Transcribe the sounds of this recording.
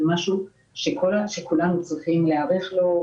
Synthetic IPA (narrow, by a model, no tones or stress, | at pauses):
maʃu | ʃekʰolaʃekulanut͡sofimleaʁeχlo